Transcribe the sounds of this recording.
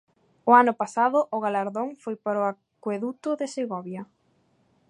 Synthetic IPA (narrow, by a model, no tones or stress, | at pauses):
ʊanʊpasaðʊʔʊɣalaɾðoŋfojpaɾoa | kweðut̪ʊðeseɣɔβjɐ